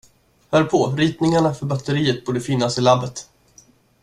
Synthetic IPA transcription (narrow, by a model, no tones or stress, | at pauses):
hœːɾpʰɔɾiːt̪nɪŋaɳafœɾbat̪ːəɾiːət̪̚buːɖəfɪnːasɪlabːət̪